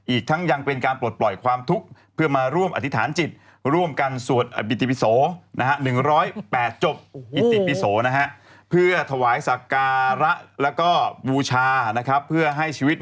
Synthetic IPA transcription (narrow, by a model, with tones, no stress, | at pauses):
ʔiː˨˩k̚t̪ʰa˦˥ŋja˧ŋpe˧nkaː˧nplu˨˩t̪̚plɔ˨˩jkʰwaː˧mt̪ʰu˦˥k̚pʰɯ˥˩ɐmaː˧ɾu˥˩əmʔa˨˩t̪ʰi˦˥t̪ʰaː˩˦nt͡ɕi˨˩t̪̚ | ɾu˥˩əmka˧nsu˨˩ət̪̚ʔa˨˩pi˨˩t̪ːi˨pi˧˥soː˩˦na̰˦˥kʰa˦˥nɯ˨˩ŋɾɔː˦˥jpɛː˨˩t̪̚t͡ɕo˨˩p̚ːi˨˩t̪ːi˨˩pi˧soː˩˦na˦˥kʰa˦˥ʔ | pʰɯ˥˩ɐət̪ʰa˧waː˩˦jsa˨˩kaː˧ɾa˦˥ʔlɛː˦˥wkɔː˥˩buː˧t͡ɕʰaː˧na˦˥kʰa˦˥pʰːɯ˥˩ɐɦa˥˩jt͡ɕʰiː˧wi˦˥t̪̚